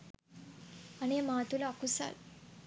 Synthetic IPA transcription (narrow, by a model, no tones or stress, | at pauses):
ɐneːmaːt̪ulɐːkusa̰l